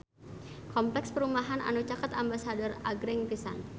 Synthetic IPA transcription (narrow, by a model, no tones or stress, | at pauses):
kɔmplɛkspəɾumaɦana̰nut͡ʃakat̪ambasadɔraɡɾɛŋpisa̰n